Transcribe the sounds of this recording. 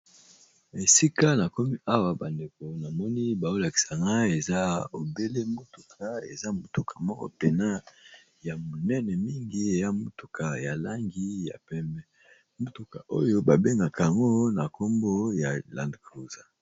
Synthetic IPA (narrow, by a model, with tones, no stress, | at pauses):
e˨si˦ka˦na˨ko˦mi˦ʔa˦wa˨ba˨nde˨ko˨na˨mɔ˦ni˦ba˨o˦la˨ki̥˨sa˨ŋɡa˦e˨za˦o˨be˦le˦mo˦tu˨kʰa˨ḛ˨za˦mo˨tu˨kʰḁ˨mɔ˦kɔ̰˦pe˨na˦ | ja˨mo˨nɛ˦nɛ˨mi˦ŋɡi˦e˨ja˦mo˦tu˨kʰa˨ja˨la˦ŋɡi˦ja̰˨pɛ˦mbɛ˦ | mo˦tu˨ka˨ʔo˦jo˦ba˨be˦ŋɡa˨ka˨ŋɡo˦na˨ko˦mbo˦ja˨la̰˨ndklu˨za˨